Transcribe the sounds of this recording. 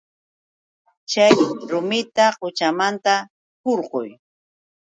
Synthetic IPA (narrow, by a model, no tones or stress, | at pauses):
t͡ʃajɾʊmɪt̪aqʊt͡ʃamant̪a | hoɾɢʊ̰j